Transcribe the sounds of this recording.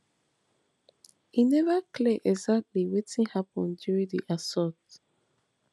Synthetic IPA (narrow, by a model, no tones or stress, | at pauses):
hinɛvakʰleʔɛɡzak̚tliwetĩŋhapɔ̰̃ndjuɹĩdḭʔasɔt